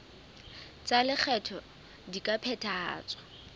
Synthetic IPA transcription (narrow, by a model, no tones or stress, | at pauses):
t͡sʼalɪk͡xʰɛtʰɔ | dikʼapʰɛtʰaːt͡sʼwɔ̥